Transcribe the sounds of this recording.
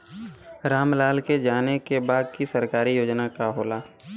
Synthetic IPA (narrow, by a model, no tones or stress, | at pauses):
ɾaːmlaːlked͡ʒaːnekebaːd̪̚kisəɾkaːɾijoːd͡ʒnakaɦoːlaː